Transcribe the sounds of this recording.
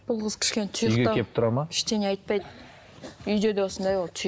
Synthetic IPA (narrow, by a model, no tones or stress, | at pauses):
b̥ʊlˠʁəz̥kʲʰɪ̥ʃkʲent̪ʰjɡʲeepp̚t̪ʰʊɾɑmakʲʰɪ̥ʃt̪eneɑjt̪̚pɑjd̪ | ʏjd̪e̞d̪ewo̞sənd̪ɑjwo̞lˠt̪ʰj